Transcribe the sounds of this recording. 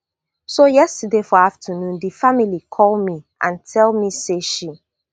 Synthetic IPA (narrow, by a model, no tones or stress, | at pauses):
sojɛstədefɔaftʰənũndifamilikʰɔlˠmiʔãntʰɛlmiseʃi